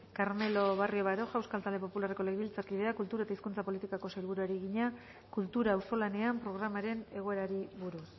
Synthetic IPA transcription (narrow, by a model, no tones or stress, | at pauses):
kaɾme̞lo̞βario̞βaɾo̞ʝawskalt̪ald̪e̞po̞pulareko̞leɣβilt͡saɾkið̞e̞akult̪uɾae̞t̪aiskunt͡sapo̞lit̪ikako̞sajlβ̞uɾuaɾiɣiɲa | kult̪uɾaːwso̞lane̞ampɾo̞ɣ̞ɾamaɾe̞ne̞ɣ̞o̞e̞ɾaɾiβuɾus